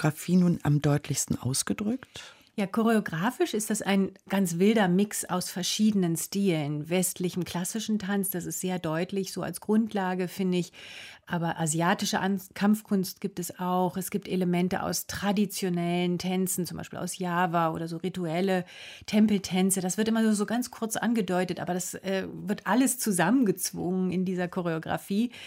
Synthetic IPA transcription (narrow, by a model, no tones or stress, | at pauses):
ɡʁafiːnuːna̰mdɔʏtʰlɪçstn̩ʔa̰ʊsɡ̥ədʁʏkt | jaːkʰoʁ̞eoɡʁaːfɪʃɪst̚d̥asa̰ɪnɡ̥ant͡sv̥ɪldɐmɪksa̰ʊsfɛɐʃiːdənənstiːlənvɛstʰlɪçəm̩kʰl̥asɪʃn̩tʰant͡sd̥asɪstz̥eːɐdɔʏtlɪçz̥oːa̰lsɡ̥ʁʊntʰlaːɡəfɪndəɪçʔaːbɐʔazjaːtɪʃəʔkʰamfkʰʊnst̚ɡ̥iːp̚tɛsaʊxɛsɡ̥iːp̚tʔeləmɛntəʔa̰ʊstʁ̥adit͡sjonɛləntʰɛnt͡sn̩t͡sʊmbaɪʃpḭːlʔa̰ʊsjaːvaʔo̰ːɾɐzoːʁituɛlətʰɛmpl̩tʰɛnt͡sədasv̥ɪɐtʔɪmɐnuːɐzoːɡant͡skʰʊɐt͡sʔa̰nɡədɔʏtətʔa̰ːbɐɾdasʔɛːvɪɐtʔaləst͡suzamənɡət͡sv̥ʊ̰ŋənɪndiːzɐkʰɔʁeoɡʁa̰fiː